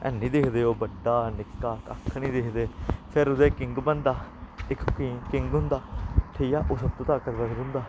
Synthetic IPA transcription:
ɛ̰ːnĩːd̪eːkʰd̪eːoːbəɖːaːnɪkːaːka̰kʰːnĩːd̪eːkʰd̪eːpʰɪɾʊd̪ẽːkɪŋɡbənd̪aːɪkkikɪŋɡɦʊ̃nd̪aːʈʰeijaːʔoːsəb̚t̪õːt̪aːkət̪bəsd̪ʊ̃ːnd̪aː

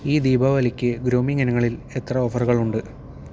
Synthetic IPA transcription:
iːd̪iːbʱɐʋɐlikʲːɨɡɾoːmiŋɐnɐŋːɐɭile̞t̪rɐoːfɐruɣɐɭuɳɖɨ

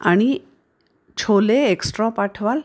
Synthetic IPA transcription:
a̰ɽ̃i | t͡ɕʰoleːksʈɾɔpaʈʰʋal

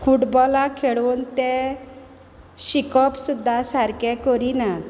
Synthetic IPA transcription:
kʰuʈbɔlakʰeɭuːnt̪ɛ | ɕikɔpsud̪ʱːasaɾkɛkɔɾina

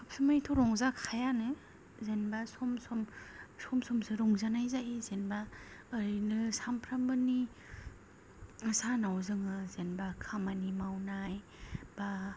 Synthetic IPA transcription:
kʰɯp̚sɯmajtʰɔɾɔŋzakʰajanɯ | zenbasɔmsɔmsɔmsɔmsɯɾɔŋzanajzaʔizenbaːɾnɯsampʰɾambɯni | ɯsanawzɯŋɯzenbakʰamanimawnaj | b̥a

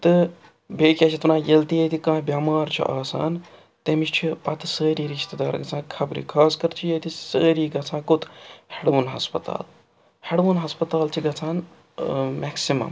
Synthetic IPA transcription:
t̪ɨ | beːkʲaːt͡ʃʰit̪unãːjɐlt̪ijet̪ʰikãːbʲjaːmaːɾt͡ʃʰṵʔaːsa̰ːn | t̪emit͡ʃʰt͡ʃʰipɐt̪ʰsəːɾiːɾiʃt̪ɐd̪aːɾɡɐt͡sʰãːkʰɐbɾḭkʰaːskɐɾt͡ʃʰijɐt̪ʰisəːɾiːɡɐt͡sʰãːkot̪ʰheɽʋunɦɐ̰spɐt̪a̰ːl | heɽʋunɦɐspɐt̪aːlt͡ʃʰiɡɐt͡sʰaːn | mɛksimɐ̰m

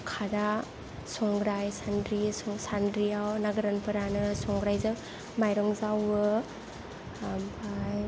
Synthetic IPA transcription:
kʰaɾa | sɔŋɡɾajsandɾisɔŋsandɾijawnaɡɯɾanpɯɾanɯsɔŋɡɾajzɯŋ | majɾɔŋzawɯ | baj

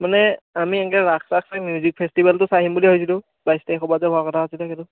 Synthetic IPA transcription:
manɛamiɛŋkɛɹaksaksamjuzik̚pʰɛstibaltʊsaɦimbuliɦojs̬ilʊ | bajstajxɔbazɛbʱɔkɔtʰaːsilɛkɛdʊ

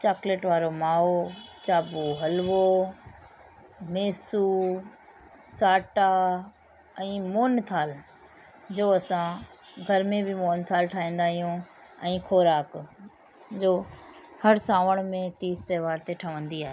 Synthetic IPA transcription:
t͡ɕaːkleːʈʋaːɾomaːot͡ɕaːbuɦɐlʋo | meːsu | saːʈa | ɛ̃ːmoːnt̪ʰaːl | d͡ʑoːɐsã | ɡʱɐɾmẽbʱɪmoːnt̪ʰaːlʈʰaːĩːn̆d̪aːɦijũɛ̃ːkʰoːɾaːk | d͡ʑoːhɐɾsãːʋəɽ̃mẽt̪iːst̪ɐːʋaːɾt̪eʈʰəʋə̃nd̪iaːɦeː

